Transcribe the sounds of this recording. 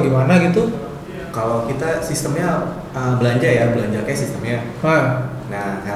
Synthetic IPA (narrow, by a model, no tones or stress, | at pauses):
ɡimanaɡit̪u | kalokit̪asist̪əmɲa | əbəlaɲd͡ʒarjabəlaɲd͡ʒarkaasist̪əmɲaha | na